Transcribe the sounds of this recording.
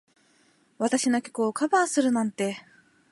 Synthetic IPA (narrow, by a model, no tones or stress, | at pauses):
βat̪aɕinokʲo̥koːkʰabaːsɨɾɯ̟nãnt̪e̞